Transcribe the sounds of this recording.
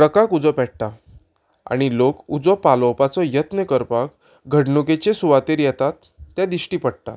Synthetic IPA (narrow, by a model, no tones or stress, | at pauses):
ɽəkakud͡zɔpɛʈ̚ʈ̪a | a̰ɽ̃ilokud͡zɔpalɔpat͡sɔjət̪nəkəɾpak | ɡʱəɽnuket͡ɕesuʋat̪eɾjɛt̪at̪ː | jad̪iɕʈiːpəɽ̚t̪a̰t̪